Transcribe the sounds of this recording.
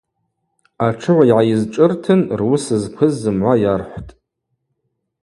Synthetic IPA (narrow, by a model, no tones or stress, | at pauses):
aʈ͡ʂʰɨʕʷaiʕajɪzʈ͡ʂʼɨrtʰɨnrwʊsɨzkʷʰɨzːɨmʕʷajarħʷtʼ